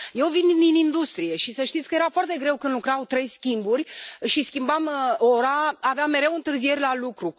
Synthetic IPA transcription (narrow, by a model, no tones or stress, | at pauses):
je̞wvind̪inind̪ust̪ɾije̞ʃisəʃt̪it̪sʲkəje̞ɾafoart̪e̞ɡɾe̞wkɨnd̪lukɾawt̪ɾe̞jskʲimburʲʃiskʲimbamo̞ɾaaveamːe̞ɾe̞wɨnt̪ɨrzije̞ɾʲlalukɾu